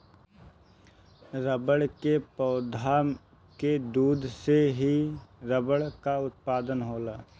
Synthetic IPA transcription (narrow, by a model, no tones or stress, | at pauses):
ɾəbəɽkepəːd̪ʱaːm | ked̪uːd̪ʱseɦiɾəbəɽkaʊt̪̚paːd̪ənɦoːlaː